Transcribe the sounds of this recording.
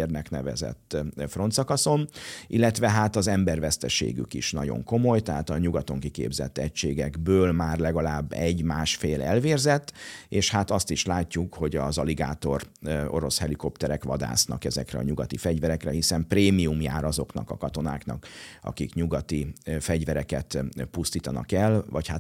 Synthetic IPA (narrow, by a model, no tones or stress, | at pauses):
rnɛknɛvɛ̰zɛ̰t̪ːfro̞nt̪sɒkɒso̞nʔilːɛt̪ʋɛɦat̪ɒzɛmbɛrvɛst̪ɛʃḛːɡy̰kiʃnɒɟo̰ŋko̞mo̞jt̪ɛɦaːt̪ɒɲuɡɒt̪o̞ŋkikḛːbzɛ̰t̪ːɛcʃeːɡɛɡbøːlmaːrlɛɡɒlaːbːɛɟmaːʃfeːlɛlveːrzɛt̪ːeːʃhat̪ɒst̪iʃlaːcːukho̞ɟɒzɒliɡaːt̪o̞ro̞̰ɾo̞shɛliko̞pt̪ɛɾɛkʋɒd̪a̰ːsnɒ̰kɛzɛkrɛ̰ɒ̰ɲuɡɒt̪ifɛɟvɛɾɛkrɛhisɛmpreːmiumja̰ːɾɒzo̞knɒkɒkɒt̪o̞na̰ːknɒ̰kɒ̰kikɲuɡɒt̪ifɛɟvɛɾɛkɛt̪pust̪iːt̪ɒnɒkɛlvɒchat̪